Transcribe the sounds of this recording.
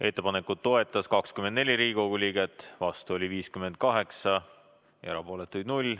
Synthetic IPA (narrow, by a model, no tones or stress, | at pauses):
e̞t̪ːe̞pɑne̞kud̪̥̚ːo̞e̞t̪ːˑɑskɑkskymend̪ne̞lʲiɾiːiko̞ɡ̥ulʲiːɡ̥et̪ːˑvɑst̪uo̞lʲiviːskyme̞nd̪̥̚kɑɦe̞ksɑ | ḛɾɑ̰po̞ːle̞t̪ːˑujd̪nulʲː